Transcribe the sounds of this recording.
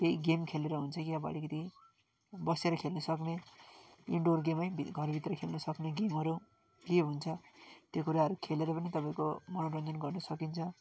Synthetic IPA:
t̪eiɡemkʰeleɾʌɦunt͡sʰʌkiaba̰ɽikʌt̪i | bʌseɾʌkʰelnʌsʌkne | ḭɳɖorɡemʌjbʱiɡʱʌrbʱit̪rʌkʰelnʌsʌkneɡemɦʌɾu | kiɦunt͡sʰʌt̪jokuɾaɦʌɾukʰeleɾʌpʌnit̪ʌpaĩkomʌnoɾʌnd͡zʌnɡʌrnʌsʌkint͡sʰʌ

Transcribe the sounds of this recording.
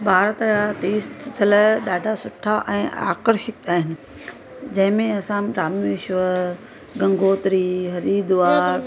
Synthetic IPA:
baːɾt̪əjat̪iːst̪ʰt̪ʰɐləɗaːɖʱasʊʈʰaʔɛ̃ːa̰ːkəɾʃɪk̚aːɦɪnɪ̆ | d͡ʑɐ̃ɦɪ̃mẽɐsãɖɾaːmɪʃʋə | ɡɐ̃ŋɡʱoːt̪ɾiɦɐɾiːd̪ʋaːɾ

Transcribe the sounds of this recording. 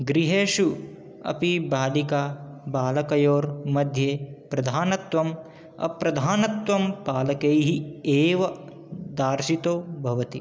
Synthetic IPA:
ɡɾiɦeːʃu | ɐ̰pibaːlikaːbaːlɐkɐjoːɾmɐd̪ʱjeːpɾɐd̪ʱaːnɐt̪ʋɐm | ɐ̰pɾɐd̪ʱaːnɐt̪ʋɐmpaːlɐkejɦieːʋɐ | d̪aːɾʃit̪oːbʱɐʋɐt̪i

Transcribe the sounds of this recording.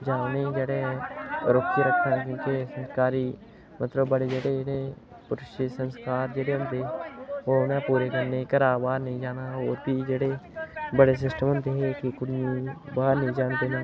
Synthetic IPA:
d͡ʒaːned͡ʒəɽe | ɾokkiɾəkʰːnãk̬jõːkesə̃nskaːɾi | mət̪ləbːəɽed͡ʒəɽeɽe | pʊɾʃisə̃nskaːɾd͡ʒəɽeɦʊ̃nt̪eonɛ̃ːpuːɾekəɾnekəɾaːbaːɾnəɦĩd͡ʒaːnaoːɾbʱid͡ʒəɽebəɽes̬ɪsʈəmʊ̃nt̪eɦekikʊɽijõbaːnəɦĩd͡ʒaːnt̪enɛ̃ː

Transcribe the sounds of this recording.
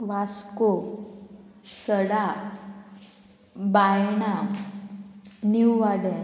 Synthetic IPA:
ʋasko | səɽa | bajɳa | niwʋaɽɛ̃

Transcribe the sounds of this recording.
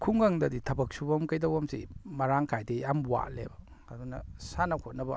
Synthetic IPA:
kʰuŋɡaŋdɐditʰɐbɐk̚subɐmkɐjdɐwamsḭmɐɾaŋkʰajdejambwa̰lḛbɐ | ɐdunɐ̰sanɐkʰot̚nɐbɐ̰

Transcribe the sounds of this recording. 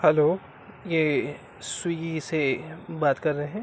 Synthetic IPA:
hɛloː | jeː | swiisebaːt̪kɐɾːɐɦɦɛ̃ː

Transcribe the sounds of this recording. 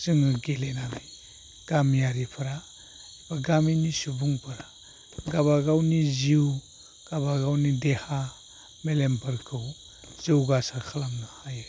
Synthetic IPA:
z̥ɯŋɯɡelenani | ɡ̥amijaɾipʰɯɾa | baɡaminisubuŋpʰɯɾa | ɡaβaɡawniziw | ɡ̥abaɡawnideha | melempʰɯɾkʰɯw | z̥iwɡasakʰalamnɯhajɯ

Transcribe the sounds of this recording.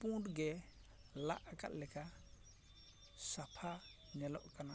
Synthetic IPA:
pũʈɡɛ | la̰ʔka̰t̪̚lɛka | sapʰa | nɛlɔʔkana

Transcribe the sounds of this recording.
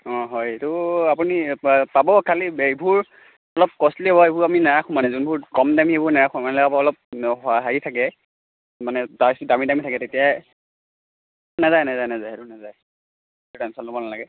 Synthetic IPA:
ɔ̃ɦɔjetʊapunipabɔkʰalibʱuɹ | ɔlɔp̚kɔsliɔbɔebʱuɹaminaɹakʰʊ̃manɛzunbʱuɹkɔmdamiebuɹnaakʰumanɛlɛɡabɔlɔp̚ɦɔɦaɦitʰakɛ | manɛdasdamidamitʰakɛtetija | nazajnazajnazajɛtunazaj | tudansɔlɔbɔnalaɡɛ

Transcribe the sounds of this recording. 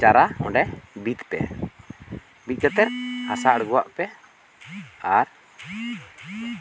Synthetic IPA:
t͡ʃaɾaɔɖɛbit̪pɛ̰ | bit̪̚kat̪ɛɾhasaʔɽɡɔwa̰ʔpɛ | aɾ

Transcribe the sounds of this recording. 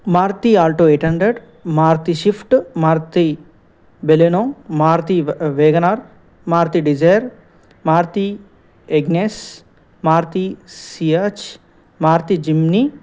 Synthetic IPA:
maːɾt̪iaːlʈoːeːʈɦɐɳɖɾeɖ | maːɾt̪iʃifʈmaːɾt̪i | belenõmaːɾt̪iʋeːɡɐnaɾ | maːɾt̪iɖid͡ʒajɾ | maːɾt̪i | eɡneːs | maːɾt̪isiat͡ʃ | maːɾt̪id͡ʒimni

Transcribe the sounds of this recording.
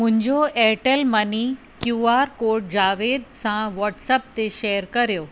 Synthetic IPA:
mʊ̃ɦɪ̃ɲd͡ʑoɛʈəlmɐni | kjuːaːɾkoːɾʈ̚d͡ʑaːʋed̪sãʋɔːʈsəp̚t̪eʃeːəɾkɐɾjoː

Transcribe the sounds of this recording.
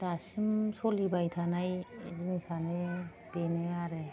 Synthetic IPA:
dasimsolibajtʰanajzinisane | beneaɾe

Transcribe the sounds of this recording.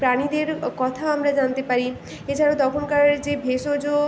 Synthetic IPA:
pɾaɽ̃id̪eɾkɔt̪ʰaamɾad͡ʒant̪epaɾi | et͡ɕʰaɾod̪ɔkʰonkad͡ʑebʱesod͡ʑo

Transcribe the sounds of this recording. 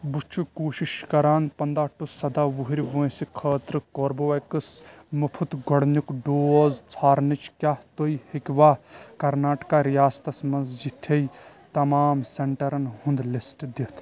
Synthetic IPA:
but͡ʃʰukoːʃiʃkɐɾaːnpɐnd̪aːʈusɐd̪aːʋuɦiɾʲʋõːsikʰəːt̪ɾɨkoːɾboɐkɨsmɐpʰut̪ɡɔɽnukɖoːzt͡sʰaːɾnit͡ʃʰkʲjaht̪oihikʲʋaːkɐɾnaːʈkaɾijaːst̪ɐsmɐnzd͡ʒit̪ʰːejt̪ɐmaːmseɳʈɐɾɐnhũnd̪lisʈd̪it̪ʰ

